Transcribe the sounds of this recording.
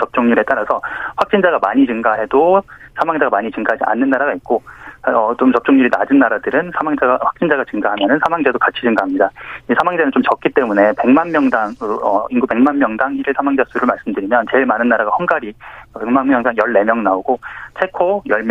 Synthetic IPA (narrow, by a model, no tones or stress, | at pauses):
t͡ɕʌp̚t͡ɕ͈oŋɲuɾet͈aɾasʰʌɸwak̚t͡ɕ͈ind͡ʑaɡamaɲit͡ɕɯŋɡaɦe̞dosʰamaŋd͡ʑaɡamaɲit͡ɕɯŋɡaɦad͡ʑiʔa̰nːɯnːaɾaɡait̚k͈oʌt͡ɕomt͡ɕʌp̚t͡ɕ͈oŋɲuɾinad͡ʑɯnːaɾadɯɾɯnsʰamaŋd͡ʑaɡaɸḁk̚t͡ɕ͈ind͡ʑaɡat͡ɕɯŋɡaɦamjʌnɯnsʰamaŋd͡ʑadokat͡ɕʰid͡ʑɯŋɡaɦamɲidaisʰamaŋd͡ʑanɯnt͡ɕomt͡ɕʌk̚k͈it͈e̞mune̞pe̞ŋmanmjʌŋdaŋɯʌ̰inɡupe̞ŋmanmjʌŋdaŋiɾiɭsʰamaŋd͡ʑasʰuɾɯɭmaɭs͈ɯmdɯɾimjʌnt͡ɕe̞ɭmanɯnːaɾaɡahʌnɡaɾipeŋmanmjʌŋdaŋjʌɭːe̞mjʌŋnaoɡot͡ɕʰe̞kʰojʌɭm